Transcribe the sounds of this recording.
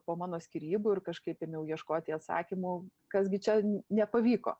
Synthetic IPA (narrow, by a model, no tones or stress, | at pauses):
poːmɑːnoːsʲkʲiːɾʲiːbʊɪrkɐʃkɐɪpɪmjɛʊjiɛʃkoːt̪ʲɪɐt̪sɑ̰ːkʲɪmʊkɐsɡʲɪt͡ʃʲɛnʲɛpɐʋʲiːko̰ː